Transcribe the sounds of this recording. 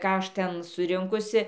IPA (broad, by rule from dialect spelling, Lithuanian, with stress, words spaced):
ˈkɑː ˈɐʃ ˈtʲɛn sʊˈrʲɪŋkʊsʲɪ